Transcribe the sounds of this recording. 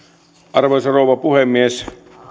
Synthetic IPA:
ʔɑrʋeisorouwʋɑpuhemːies

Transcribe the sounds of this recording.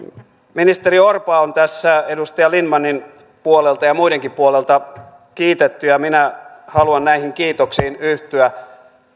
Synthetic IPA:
minist̪eriorpɑont̪æsːæedust̪ɑjɑlinmɑnin | puolelt̪ɑjɑmuideŋkipuolelt̪ɑ | kiːt̪et̪ːyjɑminæhɑluɑnnæihiŋkiːt̪oksiːnyht̪yæ

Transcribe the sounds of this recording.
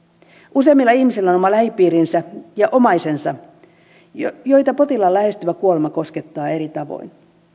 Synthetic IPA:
ʔuse̞ːmːilːɑihmisilːæono̞mɑlæhipːiːɾinsæjɑʔo̞mɑjse̞nsɑ | jo̞jt̪ɑpo̞t̪ilɑlːæhe̞st̪yʋækuo̞lemɑko̞sket̪ːɑːe̞ɾit̪ɑʋo̰jn

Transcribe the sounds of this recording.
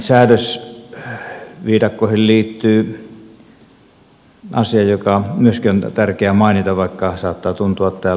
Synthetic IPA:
sæːdøs | ʋiːdɑkːoˑihilliːt̪ːyː | ɑsiɑjjokɑmyøskiont̪ærkeæmɑˑinit̪ɑʋʋɑˑikːɑsɑːt̪ːɑːt̪unt̪uɑt̪t̪æː

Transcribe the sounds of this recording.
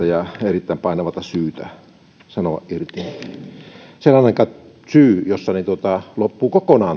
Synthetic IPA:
æjɑerit̪ːæːˑmpɑˑenɑʋɑt̪ɑsyːt̪æ | sɑnoʋɑ̰ʔʔirt̪in | selːɑnɑˑikɑ | syːjosːɑnit̪uot̪ɑlopːuːkokonɑːn

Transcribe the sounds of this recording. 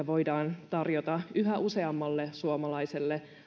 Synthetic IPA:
æʋo̞idɑːnt̪ɑrjot̪ɑyɦæʔuse̞ɑmːɑlːesuomɑlɑiselːe

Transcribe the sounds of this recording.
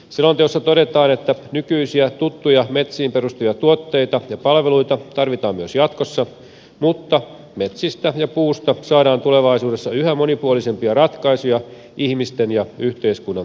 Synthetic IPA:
selːont̪eosːɑt̪oɾe̞t̪ɑːne̞t̪ːænykyisiæt̪ut̪ːujɑmet̪siːmperust̪ujɑt̪uot̪ːe̞it̪ɑjɑpɑlʋeluit̪ɑt̪ɑrʋit̪ɑːmmyøsjɑt̪ko̞sːɑ | mut̪ːɑ | met̪sist̪æjɑpuːst̪ɑsɑːɾɑːnt̪ule̞ʋɑisuːde̞sːɑyhæmo̞nipuolise̞mpiɑrɑt̪kɑisujɑ | ihmist̪enjɑyht̪eiskunːɑn

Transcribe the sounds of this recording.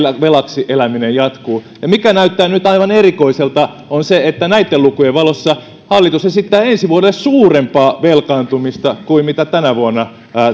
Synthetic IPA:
ʋelɑksiʔelæminejjɑt̪kuː | jɑmikænæyt̪ːæːnyt̪ɑiʋɑnerikoiselt̪ɑ | onseet̪ːænæit̪ːelukujeʋʋɑlosːɑ | hɑlːit̪usesit̪ːæːensiʋuoɾelːessuːrempɑːʋelkɑːnt̪umist̪ɑkuimmit̪æt̪ænæʋuonːɑː

